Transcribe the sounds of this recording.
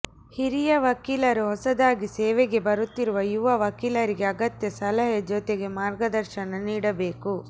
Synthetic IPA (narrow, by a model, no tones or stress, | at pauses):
hiɾijɐʋɐkiːlɐɾuɦɔsɐd̪aːɡiseːʋeɡe̞bɐɾut̪ːiɾuʋɐjuʋɐʋɐkiːlɐɾiɡe̞ɐɡɐt̪jɐsɐlɐɦjɐd͡ʒoːt̪eɡe̞maːɾɡɐd̪ɐɾʃɐnɐniːɽɐbe̞ːku